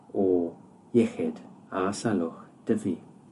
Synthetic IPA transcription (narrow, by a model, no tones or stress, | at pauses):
oː | jɛxɛd̪ | aːsaloxd̪̥əviː